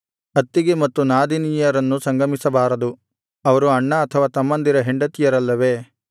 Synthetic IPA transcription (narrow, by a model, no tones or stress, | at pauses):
ɐt̪ːiɡemɐt̪ːunaːd̪inijɐɾɐnːusɐŋɡɐmisɐbaːɾɐd̪u | ɐʋɐɾuɐɳːɐːt̪ʰɐʋaːt̪ɐmːɐnd̪iɾɐɦeɳɖɐt̪ijɐɾɐlːɐʋe̞ː